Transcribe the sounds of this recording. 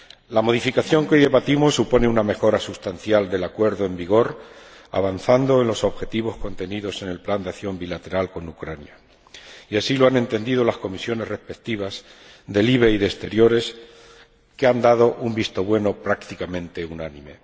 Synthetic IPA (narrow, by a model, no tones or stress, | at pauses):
lamo̞ð̞ifikaθjo̞ŋkojðe̞βat̪imo̞sːupo̞ne̞uname̞xo̞ɾasust̪an̟θjald̪e̞lakwe̞ɾðoe̞mbiɣ̞o̞ɾ | a̰βanθand̪o̞e̞nlo̞so̞βxe̞t̪iβ̞o̞sko̞nt̪e̞niðo̞se̞ne̞lpland̪eaθjo̞mbilat̪e̞ɾalko̞nukɾanja | iasilo̞anent̪e̞nd̪ið̞o̞lasko̞misjo̞ne̞zre̞spe̞k̚t̪iβ̞as | ðe̞liβ̞e̞iðest̪e̞ɾjo̞ɾe̞s | keand̪að̞o̞ʔumbist̪o̞βwe̞no̞pɾakt̪ikamẽ̞nt̪eunanĩme̞̰